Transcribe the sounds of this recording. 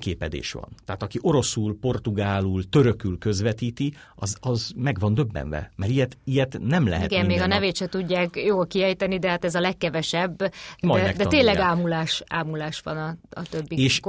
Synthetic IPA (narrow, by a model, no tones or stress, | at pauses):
keːpɛd̪ḛːʃʋɒ̰nt̪ɛɦaːt̪ɒkiʔo̞ɾo̞suːlpo̞rt̪uɡaːluːlt̪ø̞ɾøkylkø̞zʋɛt̪iːt̪i | ɒzɒzmɛɡʋɒnd̪øbːɛ̰nvɛ̰mɛɾijɛt̪ijɛt̪nɛmlɛ̰ɦɛ̰ɡɛmmːeːɡɒnɛveːt̪ʃɛt̪uɟːaːkjoːlkiɛjt̪ɛnid̪ɛɦat̪ɛzɒlɛkːɛvɛʃɛbːmɔjmɛd̪ɛt̪eːnlɛɡaːmulaːʃa̰ːmulaːʃʋɒnɒɒt̪øbːieʃ